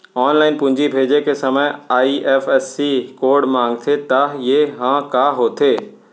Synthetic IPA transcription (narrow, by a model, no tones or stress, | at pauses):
ɔːnlaːɪnpʊ̃ɪ̃ɲd͡ʑibʱeːd͡ʑekʰesɐməjaːiʔɛːfɛsːikoːɾɖmãːŋɡt̪ʰet̪ajeɦãːkaːɦot̪ʰeː